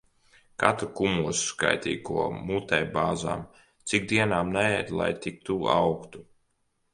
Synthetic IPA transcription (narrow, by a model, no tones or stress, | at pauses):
kat̪ɾukumuɔsska̰jt̪ʲḭːkuɔmut̪ɛjbaːza̰ːm | t̪sʲikd̪iɛnaːmnɛɛd̪ʲlˠa̰jt̪ik̚t̪ua̰wkt̪u